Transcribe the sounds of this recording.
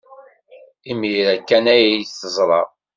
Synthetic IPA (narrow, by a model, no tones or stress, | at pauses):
imiɾækːænæjθəzˤɾˤɑ̰